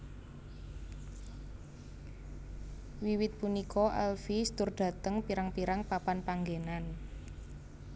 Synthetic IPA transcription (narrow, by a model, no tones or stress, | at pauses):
wiwɪt̪̚punikɔʔɛ̰lfist̪ʊrɖ̪̥ä̤t̪əŋpiɾaŋpiɾaŋpapanpaŋɡenan